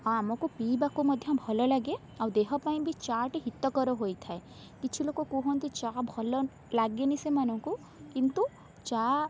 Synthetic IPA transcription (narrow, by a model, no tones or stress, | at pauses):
ɦãmɔkupibakumɔd̪ʱjɔ̃bʱɔlɔlaɡe | awd̪eɦɔpaĩbʱit͡ʃaʈiɦit̪ːɔkɔɾɔɦojt̪ʰae | kit͡ʃʰilokokuɦɔ̃nt̪it͡ʃabʱɔlɔ | laɡenisemanɔŋku | kint̪u | t͡ʃa